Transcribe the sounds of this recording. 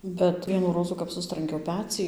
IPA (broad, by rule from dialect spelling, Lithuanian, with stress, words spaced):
bʲɛt ˈʋʲiɛnuː ˈroːzuː kɐp ˈsʊstrɐŋʲkʲɛʊ ˈpʲæːt͡sʲiː